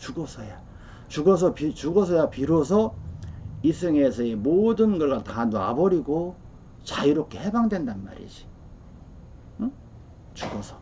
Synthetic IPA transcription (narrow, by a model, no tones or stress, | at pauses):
t͡ɕuɡʌsʰʌja | t͡ɕuɡʌs̬ʰʌpit͡ɕuɡʌs̬ʰʌjapiɾʌs̬ʰʌ | is͈ʰɯŋe̞sʰʌemodɯnɡʌɭɡatana̰bʌɾiɡo | t͡ɕaiɾop̚k͈e̞hebaŋdwe̞ndanma̰ɾḭd͡ʑi̥ | t͡ɕuɡʌsʰʌ̥